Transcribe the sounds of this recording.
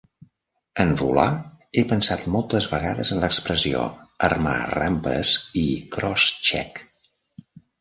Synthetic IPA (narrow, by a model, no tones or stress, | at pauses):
ənvula | epənsat̪mɔlˠt̪əzβəɣaðəzənləkspɾəsio̰ərma̰rampə̰zikɾɔst͡ʃɛ̰k